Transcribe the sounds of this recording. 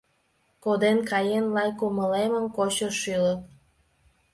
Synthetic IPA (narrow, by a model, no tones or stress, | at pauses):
kod̪enkɑjenlɑjkuməleməmkot͡ɕəʃylət̪̚